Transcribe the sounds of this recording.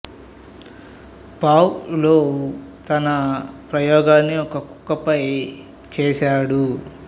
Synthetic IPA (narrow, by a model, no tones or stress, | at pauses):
paːwloːt̪ɐnɐpɾɐjɔːɡaːnːiɔkɐku̥kːɐpɐj | t͡ʃɛːʃaːɽu